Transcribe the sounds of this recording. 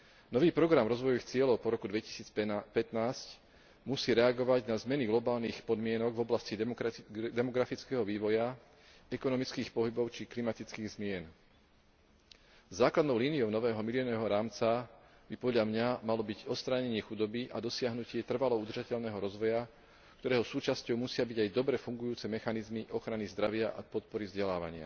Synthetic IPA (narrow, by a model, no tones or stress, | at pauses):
nɔʋiːpɾɔɡɾamɾɔzʋɔjɔʋixt͡sɪɛlɔʊpɔɾɔkud̪ʋɛci̥siːt͡spɛt̪naːsc | musiːɾɛaɡɔʋaɟnazmɛniɡlɔbaːlnixpɔd̪mɪɛnɔɡvɔblasci | d̪ɛmɔɡɾafit͡skɛɦɔʋiːʋɔja | ɛkɔnɔmit͡skiːxpɔɦibɔʊt͡ʃiklimat̪it͡skiːɣzmɪɛn | zaːklad̪nɔʊliːnijɔʊnɔʋɛːɦɔmilɪɔnɔɛɦɔɾaːmt͡sa | bipɔd̪ʎamɲamalɔbiɟɔt̪st̪ɾaːɲɛɲɪɛxud̪ɔbiʔad̪ɔsɪaɦnucɪɛt̪r̩ʋalɔud̪r̩ʒacɛʎnɛːɦɔɾɔzʋɔja | k̚t̪ɔɾɛːɦɔsuːt͡ʃascɔʊmusɪabiɟajd̪ɔbɾɛfuŋɡujuːt͡sɛmɛxanizmiʔɔxɾanizd̪ɾaʋɪaʔapɔt̪̚pɔɾivzɟɛlaːʋa̰ɲɪa̰